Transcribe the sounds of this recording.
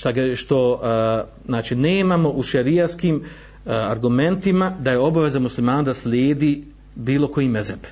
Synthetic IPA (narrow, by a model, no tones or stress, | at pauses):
ʃt̪aɡʃt̪o̞ | znaːt͡ʃineːmamo̞ʔuʃeɾijaskiːm | aɾɡume̞nt̪imad̪aje̞o̞baʋe̞zamuslimaːnad̪aslʲjeːd̪iː | biːlˠo̞ko̞jimezeb